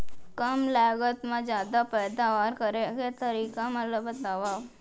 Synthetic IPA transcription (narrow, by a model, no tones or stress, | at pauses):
kəmlɛːɡət̪mẽd͡ʒjaːd̪apɛːd̪aʋaːɾkəɾeɡet̪əɾiːkamələbd̪əʋaːʋ